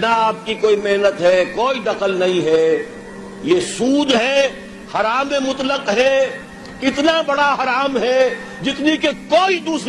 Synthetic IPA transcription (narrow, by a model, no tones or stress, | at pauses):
nɐaːp̚kikoːimeɦnət̪ɦɛkoːid̪ɐqəlnɐɦĩɦɛ | jesuːd̪ɦɛ | hɐɾaːmẽmʊt̪ləqɦɛ | kɪt̪nabɐɽaɦɐɾaːmɦɛ | d͡ʒɪt̪nikekoːid̪uːs